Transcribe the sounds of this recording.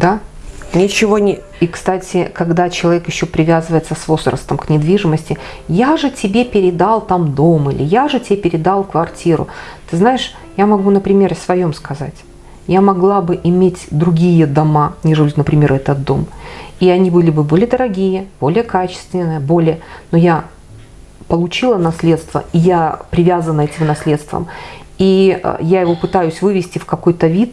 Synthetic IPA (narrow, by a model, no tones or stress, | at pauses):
d̪anʲɪt͡ɕɪvonʲ | ikst̪atʲɪkɐɡd̪at͡ɕɪlˠɐvʲekjɪɕːo̞pɾʲɪvʲazɨvəjɪt̪səsvo̞zɾə̰st̪əmknʲɪd̪vʲiʐɨməsʲtʲɪ | jaʐɨtʲɪbʲepʲɪɾʲɪd̪alˠt̪amd̪o̞mɨlʲɪ̰jaʐɨtʲepʲɪɾʲɪd̪alˠkvɐrtʲiɾʊ̰t̪ɨznaɪʂ | jamɐɡunəpɾʲɪmʲe̞rsvɐjo̞mskɐzatʲ | jamɐɡlˠabɨʔɪmʲetʲd̪ɾʊɡʲijəd̪ɐmanʲɪʐɨlʲut̪nəpɾʲɪmʲe̞ɾɛt̪ət̪̚d̪o̞̰miɐnʲibɨlʲɪbɨbo̞lʲɪjəd̪əɾɐɡʲijəb̥o̞lʲɪjəkat͡ɕɪ̥st̪vʲɪnːɨjəbo̞lʲɪjəno̞ja | pəlˠʊt͡ɕilˠənɐsʲlʲe̞t̪st̪və̰ijapɾʲɪvʲazənəɛtʲɪmnɐsʲlʲet̪st̪və̰m | ḭjajɪvo̞pɨt̪ajʉsʲvɨvʲɪsʲtʲɪfkɐko̞jt̪əvʲit̪